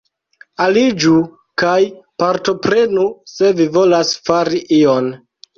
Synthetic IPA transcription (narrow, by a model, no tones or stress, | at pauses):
alid͡ʒu | kajpaɾto̞pɾe̞nuse̞vivo̞lasfaɾiʔio̞n